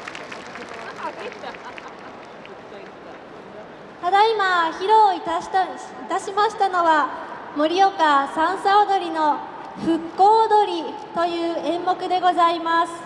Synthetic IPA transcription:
t̪ad̪aimaçiɾo̞ːi | it̪aɕimaɕi̥t̪ano̞βa | mo̞ɾʲijo̞kasãɰ̃saod̪o̞ɾʲino̞ | ɸɯ̟kːo̞ːd̪o̞ɾʲi | t̪o̞jɯ̟ːẽ̞mːo̞kɯ̟d̪e̞ɡo̞zaimasɨ̥

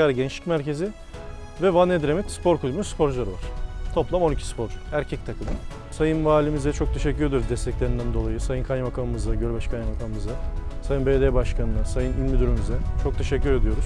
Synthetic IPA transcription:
aɾɯɟɛnt͡ʃlʲi̥cʲmæɾcʰe̞zɪ | vɛvanːed̪ɾemit̪spʰo̞ɾkʰulʲymyspʰo̞ɾd͡ʒlˠaɾɯva̰ɾ̥t̪ʰo̞plˠamonicʰi̥spʰo̞ɾæɾcʰɛc̚t̪ʰakʰɯnɯ | sajɯnvaːlʲimizd̪ɛt͡ʃʰo̞k̚t̪ʰe̞ʃ̬ɛcʰːyɾeijɾuzd̪ɛst̪ʰɛclʲe̞ɾind̪ænd̪o̞lˠajɯsajɯnkʰajmakʰanɯmɯzd̪aɟølʲbaʃkʰajamakʰanɯmɯzd̪asajɯnbeːd̪eːbaʃkʰanɯnasajɯnilʲmid̪yɾymyzɛt͡ʃʰo̞k̚t̪ʰe̞ʃɛcːyɾe̞d̪ijo̞ɾuz̥

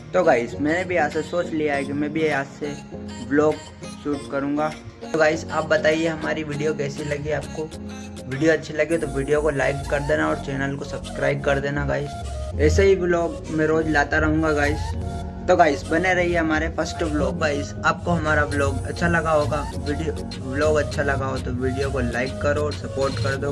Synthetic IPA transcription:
t̪oɡaːɪsmɛ̃ːnebʱiaːsesoːt͡ʃlijaɦɛkimɛ̃bʱieaːseblɔːɡ | ʃuːʈkɐɾũːŋɡaː | t̪oɡaːɪsaːp̚bɐt̪aːieɦɐmaːɾiʋɪːɖijokɛːseilɐɡieaːp̚ko | ʋɪːɖijoɐtːʃʰelɐɡiet̪oʋiːɖijokolaːɪkkɐɾd̪eːnaɔːɾt͡ʃɛːnəlkosɐbskɾaːɪb̚kɐɾd̪eːnaɡaːɪsɛːseɦiblɔːɡ | mɛ̃ɾoːd͡ʒlaːt̪aɾɐɦũːɡaɡaːɪs | t̪oɡaːɪsbɐneɾɐɦieɦɐmaːɾepʰɐsʈblɔːɡːaːɪsaːp̚koɦɐmaːɾablɔːɡɐ̰tːʃʰalɐɡaɦoːɡaː | ʋiɖijo | blɔːɡɐtːʃʰalɐɡaɦot̪oʋiːɖijokolaːɪkːɐɾoɔːɾsɐpoːɾʈkɐɾd̪o

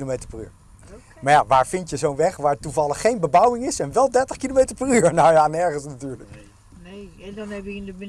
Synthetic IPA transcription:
lomejtəɹpəry̰ːɹ | maɹjaʋaːɹfɪntjəzownʋɛχʋaːɹtuvɑlˠəχːejnbəbawɪŋɪsɛnʋɛlˠdɛɹtəχkilomejtəɹpəryːəɹnajanɛɹχənsnatyːɹlək | nnɛ

